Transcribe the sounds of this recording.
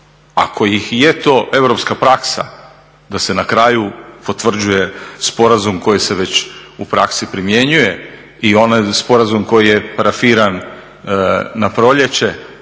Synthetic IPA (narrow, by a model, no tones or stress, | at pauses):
a̰kʰo̞jixjet̪o̞ʔe̞ʋɾo̞pskapɾaksa̰ | d̪ase̞nakɾaːjupo̞t̪ʋr̩d͡ʑuje̞spo̞ɾazumko̞jise̞ʋe̞t͡ɕupɾaksipɾimjeɲuje̞ | io̞najspo̞ɾazumko̞jije̞paɾafiːɾan | apɾo̞ʎe̞t͡ɕe̞